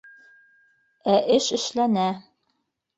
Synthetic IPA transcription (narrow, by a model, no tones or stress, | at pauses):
æʔɘʃɘ̆ʃlænæ